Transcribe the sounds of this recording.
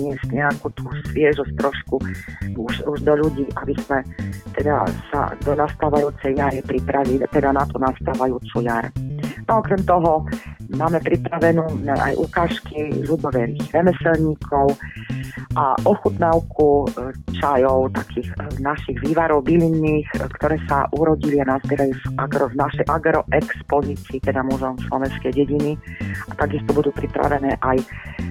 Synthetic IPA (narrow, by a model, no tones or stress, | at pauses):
ɲɪɛst̪ɲɛakut̪uːsʋɪɛʒɔst̪ɾɔʃkuuʃuʒd̪ɔʎuɟiːʔabismɛt̪ɛd̪a̰sa̰d̪ɔnast̪aːʋajuːt͡sɛjjaɾipɾipɾaʋilt̪ɛd̪anat̪unast̪aːʋajuːt͡sujaɾnɔɔkɾɛmt̪ɔɦɔmaːmɛpɾipɾaʋɛnuːnaʔa̰jʔukaːʃkiʎud̪ɔʋɛɾiːɣɾɛmɛsɛlɲiːkʰɔʊ | ʔa̰ʔɔxut̪nawkʰut͡ʃajɔʊt̪akʰiːxnaʃiɣʋiːʋaɾɔʊbilinːiːxkt̪ɔɾɛːsa̰ʔuɾɔɟilianazbɛɾajuʔaɡɾɔvnaʃɛjʔaɡɾɔʔɛkspɔziːt͡siːt̪ɛd̪amuʒɛmslɔʋɛnskɛjɟɛɟiniat̪aɡist̪ɔbud̪uːpɾipɾa̰ʋɛnɛːʔaj